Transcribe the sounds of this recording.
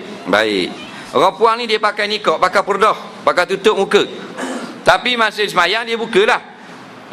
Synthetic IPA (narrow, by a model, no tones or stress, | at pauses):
ba̰ɪ̰k | rɔpuaŋnĩdiəpakajnikɔʔpakapərdɔhpakajt̪ut̪ʊʔ̚mukə | t̪apimansəsəmajaŋdiəbukəlah